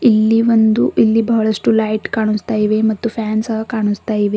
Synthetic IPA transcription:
ilːiʋond̪uʔilːibɐɦɐɭɐʂʈulɐjʈkaːɳ̃ust̪aːjiʋemɐt̪ːupʰjaːnsɐɦɐkaːɳust̪aːjiʋe

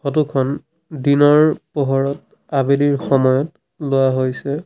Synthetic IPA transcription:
xot̬ukʰɔn | dinɔɹpɔɦɔɹɔt̚ | abeliɹxɔmɔjɔt | lʊwaɦojsɛ

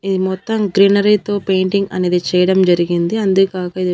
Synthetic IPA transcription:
iðimɔt̪ːɐmɡɾiːnɐɾɐɪt̪oːpeːɳʈiŋɡɐ̰niðit͡ʃɛːjɐɽɐmd͡ʒɐɾiɣind̪iɐnd̪ɯkaːɣɐiði

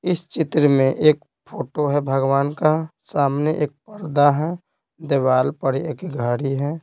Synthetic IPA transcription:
ɪst͡ʃɪt̪ɾəmẽʔeːk̚ | pʰoːʈoɦɛbʱəɡʋaːnkasaːmneʔeːk̚pəɾd̪aɦɛ | d̪eːʋaːlpəɽieːkɡʱaːɽiɦɛ

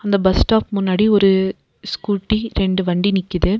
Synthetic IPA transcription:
ɐnd̪ɐbɐsʈaːpmʊnːaːɽiɔɾɯ | skuːʈːiɾɛɳɖɯʋɐɳɖinɪkːɯðɯ

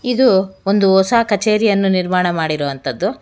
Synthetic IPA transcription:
id̪uond̪uɔsaːkɐt͡ʃeːɾijɐnːuniɾmaːɳɐmaːɽiɾoʋɐnt̪ɐd̪ːu

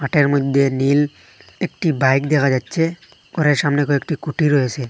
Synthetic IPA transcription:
maʈeɾmɔd̪ʱenil | ekʈibajkd̪ɛkʰad͡ʒatːsʰe | kɔɾeɾsamnekoek̚ʈikuʈiɾɔjesʰe

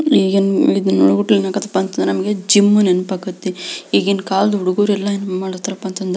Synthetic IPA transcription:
iːɡenid̪ɐnːo̰ɽɡuʈːlinakɐt̪ɐpːaːnt̪ɐnd̪ɾnɐmɐɡed͡ʒimːunenupakɐt̪ːeiːɡenːkaːld̪uɽuɡuːɾɛlːɐinːmaːɽot̪ːɐɾɐpːant̪ɐnd̪ɾe

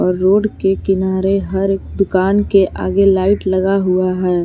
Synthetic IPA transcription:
ɔːɾːoːɖkekɪnaːɾeɦɐɾeːk̚d̪ʊkaːnkeʔa̰ːɡelaːɪʈlɐɡaɦʊaɦɛː

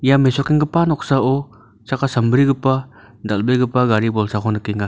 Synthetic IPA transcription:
jamesɔkiŋɡɯpanɔksaɔ | t͡ʃakasəmbɾiɡɯpa | dalbeɡɯpaɡaɾibɔlsakʰɔnɯkiŋa

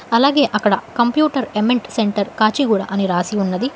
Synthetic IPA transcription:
ɐlaːɡe̞ːʔɐkːɐɽɐkɐmpjuːʈɐɾemeɳʈseɳʈɐɾkaːt͡ʃiɡuːɽa̰ːʔɐniɾaːsiunːɐd̪i

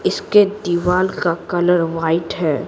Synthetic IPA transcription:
ɪsked̪iːʋaːlkakɐləɾʋaːɪʈɦɛː

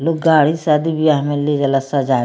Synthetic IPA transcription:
loːkɡaːɽisaːd̪ibijamẽled͡ʒɐləsad͡ʒaː

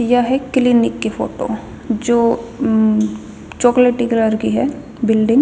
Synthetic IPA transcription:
jɐɦɛklɪnɪkːefoːʈo̰ː | d͡ʒoː | t͡ʃɔːkleːʈikləɾkiɦɛ | bɪlɖɪ̃ŋɡ

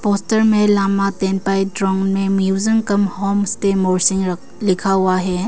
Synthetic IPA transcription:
postɐɾmelamatenpajdɾɔŋmemjuzɐŋkɐmhɔmsʈemoɾsiŋ | likʰauaɦe

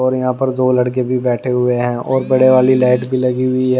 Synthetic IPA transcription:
ɔːɾjɐɦãːpəɾd̪oːlɐɽkebʱibɛːʈʰeɦʊeɦɛ̃ːʔɔːɾbɐɽeʋaːlilaːɪʈbʱilɐɡiɦʊiɦɛ

